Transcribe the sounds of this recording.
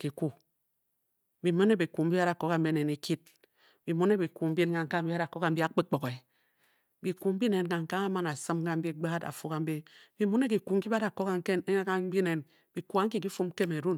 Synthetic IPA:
ki˨ku˦ | bi˨mo˦ne˦bi˨ku˨m̩˦bi˦a˦ɾa˨ko˦ka˦m̩˦be˦ne˨ne˨kʰi˦t̚ | bi˨mu˦ne˦bi˨ku˨m̩˦bi˦ka˨ŋ̩˨ka˦m̩˦bi˦a˦ɾa˨ko˦ka˨m̩˦bi˦a˦k͡pe˦k͡po˨ke˨ | bi˨ku˨m̩˦bi˦ne˨n˨ka˨ŋ̩˨ka˦ŋa˦ma˦na˨sɨ˦mka˦m̩˦i˦ɡ͡ba˦da̰˨fu˦ka˨m̩˦be˦bi˨mu˦ne˦k̬i˨ku˨ŋ̩˦ki˦ba˦ɾa˨ko˦ka˦ŋ˦ke˦a˦bi˦ne˨n | b̥i˨ku˨a˨˦ŋ̩˦ki˦ki˦fu˦m˦ke˦me˨ɾu˦n

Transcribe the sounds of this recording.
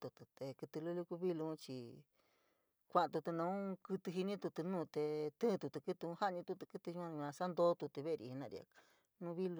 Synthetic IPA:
t̪u˧t̪u˧t̪e˨˧kɨ˧t̪ɨ˧lu˦lu˧ku˧βi˦lu˧ũ˦t͡ʃi˧ | kʷa˧ʔã˧t̪u˧t̪u˧nã˧ũ˦kɨ˧t̪ɨ˧ɦi˧nĩ˦t̪u˧t̪u˧nũː˦˧˨t̪e˧t̪ɨ̃˦˧t̪u˧t̪u˧kɨ˦t̪u˧ũ˧˦ha˦ɲĩ˧t̪u˧t̪u˧kɨ˧t̪ɨ˧ɲu˧ã˧ã˧sa˦nd̪o˦t̪u˧t̪u˧βe˦˧ɾḭ˧hi˧nã˧˨ɾḭ˧a̰˧ | nũ˧βi˦lu˧

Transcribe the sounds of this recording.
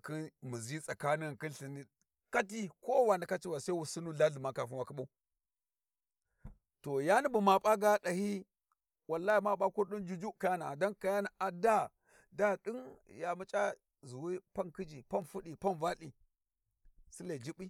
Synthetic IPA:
ki˦nmu˨zi˦sa˨ka˦ni˦˨ki˦ɬi˨ni˦ | ka˦t̬i˦ko˦wa˨na˨ka˦t͡ʃi˦wa˨sa˦wu˨su˦nu˦ɮa˦ɮu˨ma˨ka˨fu˦wa˨ki˦ɓa˦u˦ | to˨ja˦ni˦bu˨ma˨pʼa˦ɡa˦ɗa˨hi˦ | wa˨lːa˦i˨ma˦ɓa˦ku˦ɾɗi˦nd͡ʒu˦d͡ʒu˦ka˦ja˦na˨da˦nka˨ja˦na˨ʔa˨da˦ | da˦ɗi˦nja˨mu˦t͡ʃʼa˦ | zu˨wi˦pa˦nki˦d͡ʒi˨pa˦nfu˦ɗi˨pa˦nva˦li˨ | si˦la˨d͡ʒi˦ɓi˦

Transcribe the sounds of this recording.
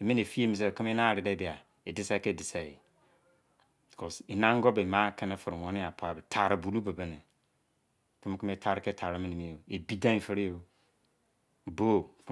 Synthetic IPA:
e˨mĩ˦ne˨fi˦e˦mi˨s̬e˨kɪ˦m˦e˦na˦˨ɾɪ˨de˦bi˨a˨ | e˨dɪ˦sa˦ke˦˨dɪ˨sa˨i˨ | bi˨kʰɔ˨si˨nã˦ŋ˦ɡɔ˦be˨ma˦kɪ˦ne˦fɪ˨ɾɪ˨wɔ̃˦nɪ˦a˨pʰa˨bɛ˨tʰa˨ɾɪ˨bu˨lu˦be˨be˦ne˨ | kɪ˦m˦kɪ˦m˦e˦tʰa˨ɾke˦tʰa˨ɾa˦mĩ˦ni˨mi˦e˨e˨bi˦dã˦fɪ˦ɾi˦o˦˨ | bo˦˨k

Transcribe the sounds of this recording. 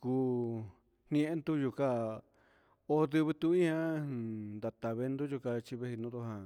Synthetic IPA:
kuː˧ | n̥nĩẽ˧˦e˦nd̪u˦ju˧ka˦˧ | o˦˧ðɨ˧βɨ˧t̪u˧ĩ˦ã˦nd̪a˧t̪a˨βe˧˦nd̪u˦ʒu˧ka˧t͡ʃi˧βe˧hi˧nũ˧˦d̪o˧˦ɦã˧

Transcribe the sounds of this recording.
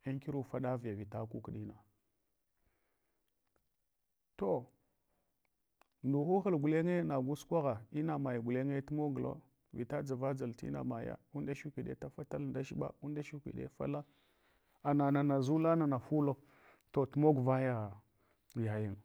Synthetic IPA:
i˦ŋki˦ɾu˨fa˦ɗa˦vi˨ja˨vi˨ta˦ku˦kɗi˦na˨ | to˦˨ | ndu˨xu˦xə˨lɡu˨le˦ŋe˦na˨ɡu˦skʷa˦ɣa˨i˦na˨ma˨ja˨ɡu˨le˦ŋe˦tu˦mo˦ɡlo̰˦ | vi˨ta˦d͡za˨va˦d͡za˨ltḭ˦na̰˨ma˨ja̰˦u˦nda˦ʃu˦kʷi˨ɗe˦ta˦fa˦ta˦lda˦ʃi˦ɓa̰˦u˦nda˦ʃu˦kʷḭ˨ɗḛ˦fa̰˦la˦ | a˨na˨na˨na˨zu˦la˦na˨na˨fu˦lo˦ | to˨tu˦mo˦ɡva˦ja˦ | ja˨ji˨ŋ

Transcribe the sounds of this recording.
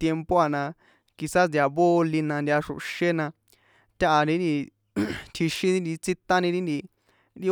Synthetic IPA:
t̪je˧mpo˦a˨nã˧ | ki˧sa˦sd̪ja˧βo˦˧li˧nã˧nd̪ʲa˧ʂṵ˨ʔʃe˦nã˧ | t̪ʲa˦˧ʔa˧nĩ˧˦nd̪i˧ | t̪ʰi˧ʃĩ˧ĩ˦nd̪i˧t͡si˦t̪ã˦nĩ˧ɾĩ˦nd̪i˧ | ɾi˦

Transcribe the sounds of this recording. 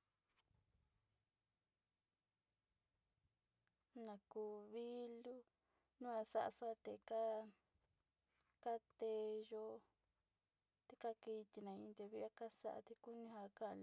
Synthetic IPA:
nã˧kuː˧βi˦lu˦ | nũ˦a˧sa˦ʔa̰˧su˦a˦˧t̪e˧˨ka˦ | ka˦t̪e˧ʒo˦ | t̪e˧˦ka˦ki˧t̪i˧nã˨˧ĩ˧nd̪e˧βi˦a˦ka˦sa̰˦ʔa̰˧t̪e˧ku˦nĩ˦ɦa˧ka˦ʔl

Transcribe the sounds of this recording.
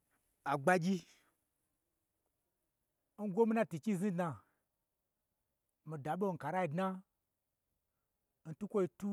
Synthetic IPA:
a˨ɡ͡ba˧ɡʲi˦ | n̩˦ɡʷo˦mi˦na˦ti˨t͡ʃi˦˨zĩ˦dna˧˨ | mi˨da˨ɓo˦˨ŋ̩˨ka˨ɾa˦i˧˨dna˦ | n̩˨tu˦kʷo˦i˧tu˦

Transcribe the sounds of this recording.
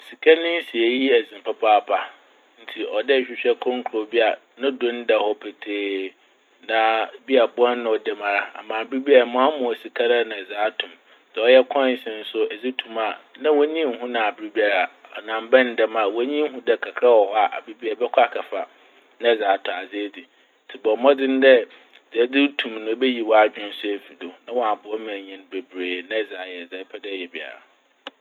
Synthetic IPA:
si˨kʰa˦nɪ̃˦n̩˦si˨e˨ji˦ɛ˨zɪ̃˨m˨pʰa˦pʰa˦˨pʰa˨ | n̩˦tʰi˨ʔɔ˨dɛ˦˨ɕᶣi˦ɕᶣɛ˦kʰɔ̃˦ŋ˦kʰʊ˨ɾo˨bi˦a˨ | nã˦dʊ̃˦n˦dɛ˨hɔ˦pʰe˨tʰeː˨ | nã˨bi˦a˨bʊ˦ɔ˦nːʊ̃˨ɔ˨dɛ˨mã˨ɾa˦a̰˨mãː˨bi˦bi˦a˦a˨mʊ̃˨˦a˦mʊ̃˨ɔ˨si˨kʰa˦ɾa˦nã˨zaː˨˦tʰʊ̃˨m | sɛ˨ɔ˦jɛ˦kʰɔ̃˦n˨˦sɪ̃˨n̩˦sʊ˦ɛ˨zi˦tʰũ˨ma˨nã˦wɔ˦ɲĩ˦m˦ɦʊ̃˦nã˨a˨bɪ˦ɾi˦bi˦a˨ɾa˨ɔ˨nã˨m˦bɛ̃˦n̩˦dɛ˦ma˨wɔ˦ɲĩ˦ɦʊ̃˦dɛ˨kʰa˨kʰa˦wɔ˨hɔ˦a˨ʔa̰˨bi˦bi˦a˨bɛ˦kʷʰɔ˦a˨kʰa˨fa˨ | nã˦˨zaː˨˦tʰʊ̃˨a˨d͡zɪ˦di˨ | tʰi˨bɔ˨mɔ̃˦dɪ̃˦n̩˦dɛ˦˨ | d͡zɛ˨˦dɪ˦tʰũ˨mnʊ̃˨˦be˦ji˨wɔ˦a˨d͡ʑᶣɪ̃˦n̩˦sʊ˦e˨fi˨do˨nã˦wɔ˨a˨bʊ˨ɔ˦mã˨ɲĩ˦n˦be˨bɾeː˨nã˦˨zaː˨jɛ˨zɛ˨˦pʰɛ˦dɛ˦˨jɛ˨bi˨a̰˨ɾa̰˨

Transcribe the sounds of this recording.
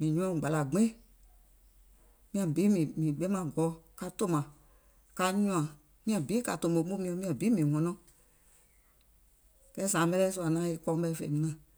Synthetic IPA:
mĩ˨ɲũ˧ɔ̃˧˨ɡ͡ba˨la˨ɡ͡bẽ˦ | mĩ˧ã˨bi˨˦mĩ˨mĩ˨ɓɛ˦mã˧˦ɡɔ˨˦ka˧to˧˦mã˨ | ka˧ɲũ˧˦ã˨ | mĩ˦ã˨biː˨˦ka˧tõ˨bo˨˦ɓũ˦mĩ˧ɛ̃˧˦mĩ˧ã˨biː˨˦mĩ˨ŋɔ̃˧nɔ̃˧˦ | kɛ˦sã˨˦ɓɛ˧˦ɛː˦su˧˨a˨nã˨˦e˧kɔ̃˧˦ɓɛ˧fḛ˧˨mĩ˧nã˨

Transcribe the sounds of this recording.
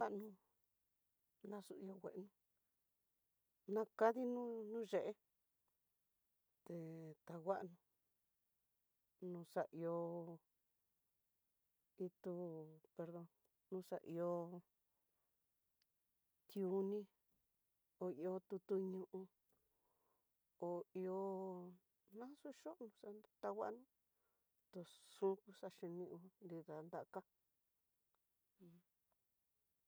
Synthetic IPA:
a˦ʔnũ˧ | nã˧su˧ʔi˧o˧wʷḛ˨ʔnũ˧ | nã˦˧ka˦ði˦nũ˦nũ˦ʒe˨ʔe˦ | t̪e˨t̪a˨ɣʷa˦ʔnũ˧ | nũ˧sa˧ʔi˧o˧ | i˧t̪u˦˧pe˧ɾðo˧n | nũ˦sa˧ʔi˧o˧ | t̪ju˨˧˦nĩ˦ | o˨i˧o˧t̪u˧t̪u˧ɲũ˧ʔũ˧ | o˨i˧o˧ | nã˦su˦ʃo˦ʔnũ˧sa˧t̪a˧wa̰˦ʔnũ˦ | t̪o˧sũ˦ku˧sa˧ʃi˧nĩ˧u˧nd̪i˧ða˨nd̪a˦˨˧ka˦˨

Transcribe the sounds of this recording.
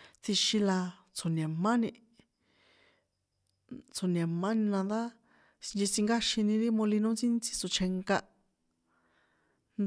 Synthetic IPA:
t͡sʰi˧ʃĩ˧la˧ | t͡sʰo˨nẽ˨mã˦nĩ˧ | t͡sʰo˨nẽ˨mːã˦nĩ˧nã˧nd̪a˦˧ | d͡ʒi˧t͡sĩ˧ŋɡa˦ʃĩ˧nĩ˧ɾi˦mõ˧li˧nũ˦t͡si˦nt͡si̥˧t͡so˨t͡ʃʰe˧ŋka˧ʔ | n

